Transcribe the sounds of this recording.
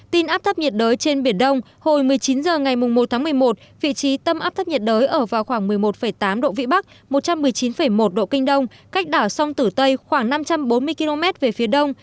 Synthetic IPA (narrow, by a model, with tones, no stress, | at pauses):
t̪i˧nʔaː˦˥t̪ʰə˦˥p̚ɲi˨˩t̚ɗəː˨˦jt͡ɕe˧nɓi˧˩ənɗə˧wŋ͡m | ho˨˩jmɨ˨˩əjt͡ɕi˨˦nzəː˨˩ŋa˨˩jmʊ˨˩ŋ͡mmo˨˩t̚t̪ʰaː˨˦ŋmɨ˨˩əjmo˨˩t̚vḭ˧˨t͡ɕi˨˦t̪ə˧mʔaː˦˥p̚t̪ə˦˥p̚ɲi˨˩t̚ɗəː˨˦jʔəː˧˩vaː˨˩wxwaː˧˩ŋmɨ˨˩əjmo˨˩t̚fə˧˩jt̪aː˨˦mɗo̰˧˨vḭ˧˨ɓa˦˥k̚ | mo˨˩t̚t͡ɕa˧mːɨ˨˩əjt͡ɕi˨˦nfə˧˩jmo˨˩t̚ɗo̰˧˨kï˧ŋ̟ɗə˧wŋ͡mka˦˥k̟̚ɗaː˧˩wsa˧wŋ͡mt̪ɨ˧˩t̪ə˧jxwaː˧˩ŋna˧mt͡ɕa˧mɓo˨˦nmɨ˧əki˧lo˧mɛ˦˥t̚ve˨˩fi˨˦əɗə˧wŋ͡m